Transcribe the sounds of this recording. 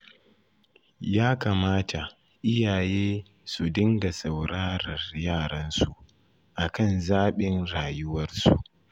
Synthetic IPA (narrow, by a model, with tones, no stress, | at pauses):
jaː˦kaː˨maː˦tʰa˨ʔ | ʔɪ˦jaː˨jeː˦ | su˨dɪ˦ŋɡa˨sa˨wɽaː˦ɾɐ˨rjaː˦˨ɽɐ˦nsu˨ʔ | ʔa˨kɐ˦nzaː˦ɓɪ˦nɽaː˨jʊ˦wɐ˦rsu˨ʔ